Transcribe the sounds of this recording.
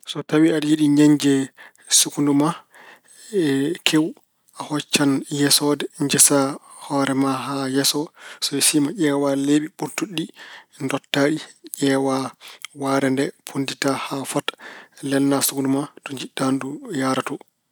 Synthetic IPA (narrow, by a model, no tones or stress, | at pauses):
sɔtawiadjiɗiɲaɲd͡ʒɛ | sukunduma | ɛkʰew | ahɔt͡ʃːanjɛsɔdɛɲd͡ʒɛsahɔɾɛmaɦajɛsɔsɔɛsimaʔɛːwaleɓiɓuɾtuɗindɔtːaɗiʄɛːwawaɾɛndɛpʰunditahafɔtlɛlnasukundumatɔɲd͡ʒiɗːandujaɾatɔ